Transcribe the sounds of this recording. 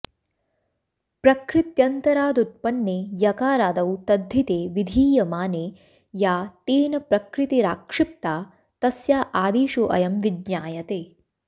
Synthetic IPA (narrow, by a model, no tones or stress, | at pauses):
pɾɐkɾɪt̪jɐnt̪ɐɾaːd̪ut̪̚pɐnːeːjɐkaːɾaːd̪ɐwt̪ɐd̪ʱːit̪eːʋid̪ʱiːjɐmaːneː | jaːt̪eːnɐpɾɐkɾɪt̪iɾaːkʂɪp̚t̪aː | t̪ɐsjaːʔaːd̪iːʃuʔɐ̰jɐmʋid̪ɲaːjɐt̪eː